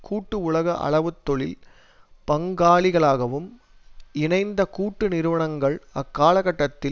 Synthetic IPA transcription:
kuːʈːɯʊɭɐɣɐʔɐ̰ɭɐʋɯt̪ːɔɭɪl | pɐŋɡaːɭɪɣɐɭaːɣɐʋɯm | ɪɳɐɪnd̪ɐkuːʈːɯnɪɾɯʋɐɳɐŋɡɐɭɐkːaːlɐɣɐʈːɐt̪ːɪ

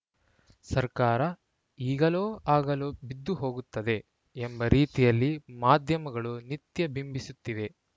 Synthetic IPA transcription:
sɐɾkaːɾɐ | iːɡɐloːaːɡɐlobid̪ːuɦo̞ːɡut̪ːɐd̪e̞ | embɐɾiːt̪ijɐlːimaːd̪ʱjɐmɐɡɐɭunit̪jɐbʱimbisut̪ːiʋe̞

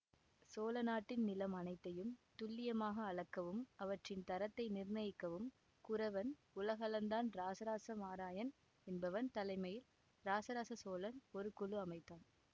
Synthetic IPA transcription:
soːlɐnaːʈːɪnnɪlɐmɐnɐɪt̪ːɐjɯmt̪ʊlːɪjɐmaːɣɐːɭɐkːɐʋɯmɐʋɐʈrɪnt̪ɐɾɐt̪ːɐɪnɪrnɐjɪkːɐʋɯm | kʊɾɐʋɐn | ʊlɐɣɐlɐnd̪aːnɾaːsɐɾaːsɐmaːɾaːjɐn | ɛnbɐʋɐnt̪ɐlɐɪmɐjɪl | ɾaːsɐɾaːsɐsoːlɐnɔɾɯkʊɻɯɐmɐɪt̪ːaːn

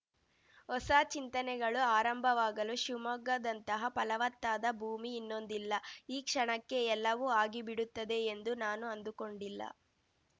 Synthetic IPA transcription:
ɔsaːt͡ʃint̪ɐnɛɡɐɭuaːɾɐmbʱɐʋaːɡɐluʃumɐɡɐd̪ɐnt̪ɐɦɐpɐlɐʋɐt̪ːaːd̪ɐbʱuːmiːnːo̞nd̪ilːɐiːkʂɐɳɐkːe̞ɛlːɐʋuaːɡibiɽut̪ːɐd̪e̞ːnd̪unaːnuɐnd̪uko̞ɳɖilːɐ̰

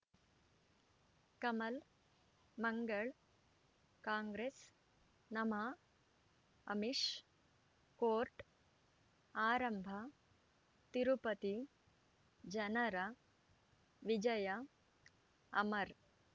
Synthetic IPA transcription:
kɐmɐl | mɐŋɡɐɭ | kaːŋɡɾeːs | nɐma | ɐ̰miʂ | koːɾʈ | aːɾɐmbʱɐ | t̪iɾupɐt̪i | d͡ʒɐnɐɾɐ | ʋid͡ʒɐjɐ | ɐmɐɾ

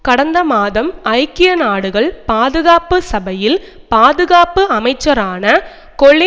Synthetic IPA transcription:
kɐɽɐnd̪ɐmaːðɐmɐɪkːɪjɐnaːɽɯɣɐɭpaːðɯɣaːpɯsɐbɐjɪl | paːðɯɣaːpɯɐmɐɪt͡ʃːɐɾaːnɐ | kɔɭːɪ

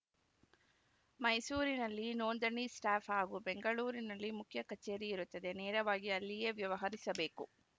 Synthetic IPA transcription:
mɐjsuːɾinɐlːinoːnd̪ɐɳisʈaːfaːɡube̞ŋɡɐɭuːɾinɐlːimukʰjɐkɐt͡ʃːe̞ːɾiːɾut̪ːɐd̪e̞neːɾɐʋaːɡiɐlːije̞ːʋjɐʋɐɦɐɾisɐbe̞ːku

